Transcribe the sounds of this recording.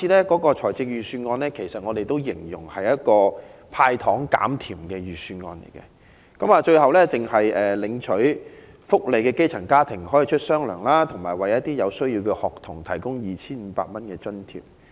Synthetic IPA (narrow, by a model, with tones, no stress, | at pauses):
iː˧lɛː˥kɔː˨˥kɔː˧t͡ʃʰɔː˨˩jt͡sɪ˧k̚jyː˨syː˧nŋɔː˧nlɛː˥kʰe˨˩jsɐ˨t̚ŋɔː˨˧d̪e˨jt̪o˥wjɪ˨˩ŋjʊ̰˨˩ŋhɐ˨jɐ˥t̚kɔː˧pʰaː˧jt̪ʰɔː˨˥ŋka̰ː˨˥mt̪ʰiː˨˩mkɛː˧jyː˨˩syː˧nŋɔ̰ː˧nlḛ˨˩jkɛ̰˧ | kɐ˨˥maː˨˧t͡ʃɵ˧ɥɦɐ˨wlɛː˥t͡sɪ˨ŋɦɐ˨jɛː˨˩lɪ˨˥ŋt͡ʃʰɵ˨˥ɥ | fʊ˥k̚le˨˧jkɛː˧ke˥jt͡sʰɐ˨˩ŋkaː˥t̪ʰɪ˨˩ŋhɔː˨˥jiː˨˧t͡ʃʰɵ˥t̚sœː˥ŋlœː˨˩ŋlaː˥t̪ʰʊ˨˩ŋmaː˨˩jwɐ˨jjɐ˥t̪̚iː˥jɐ˨˧wsɵ˥ɥjiː˧wkɛː˧hɔː˨k̚t̪ʰʊ˨˩ŋt̪ʰɐ˨˩jkʊ˥ŋjiː˨t͡ɕʰiː˥nm̩ː˨˧˥pa̰ː˧t̚mɐ˥nkɛː˧t͡ʃɵ˥nt̪ʰḭ˨˩m